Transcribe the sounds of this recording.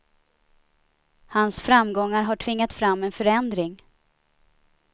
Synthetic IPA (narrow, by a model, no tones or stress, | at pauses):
hansfɾamːɡɔŋːaɾɦaʈʰvɪŋːat̪fɾamːɛnfœɾɛnd̪ɾɪŋ